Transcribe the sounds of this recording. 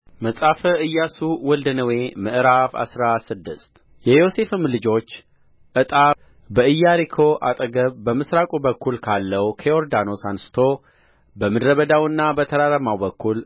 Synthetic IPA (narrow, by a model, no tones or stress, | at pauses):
məsʼafəʔɨjːasuwɔld̪ənəwemɨʔɨɾafa̰sɾasɨd̪ːɨst̪ | jɛjose̞fɨmlɨd͡ʒo̞t͡ʃː | ʔɨt̪ʼa | bəɨjːaɾikʰo̞ʔat̪ʼəɡəβbəmɨsɾakʼubəkːulkʰalːəwkʰeoɾd̪ano̞sansɨ̥t̪ʰo̞ | bəmɨd̪ɾəβəd̪awɨnːabət̪ʰəɾaɾəmawbəkːul